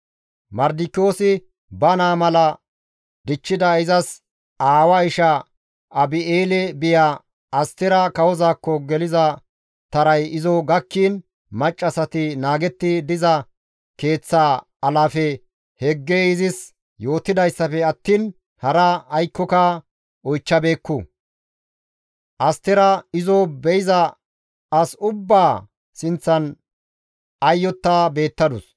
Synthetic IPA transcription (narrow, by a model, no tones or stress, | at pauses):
mɐɾd̪ɪkːoːsɪ | bɐnaːmɐlɐ | d̪ɪt͡ʃːɪd̪ɐɪzɐs | aːwɐɪʃɐ | ɐbɪeːlɛbɪjaː | ɐst̪ɪɾɐkɐwɔzaːkːɔɡɛlɪzɐ | t̪ɐɾɐjɪzɔɡɐkːiːn | mɐt͡ʃʼːɐsɐt̪ɪnaːɡɛt̪ːɪd̪ɪzɐ | ke̞ːt͡sːa | ɐlaːfɛ | hɛɡːeɪzɪs | jo̞ːt̪ːɪd̪ɐjsːɐfɛɐt̪ːiːn | hɐɾɐɐjkːɔkɐ | ɔjt͡ʃːɐbe̞ːkːʊ | ʔɐst̪ɛɾɐɪzɔbɛɪzɐ | ɐsʊbːaː | sɪnt͡sːɐn | ɐjːɔt̪ːabe̞ːt̪ːɐd̪ʊs